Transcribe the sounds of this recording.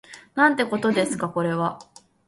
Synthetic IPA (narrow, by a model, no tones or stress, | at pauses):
nãnt̪e̞ko̞t̪o̞d̪e̞sɨ̥kako̞ɾe̞βa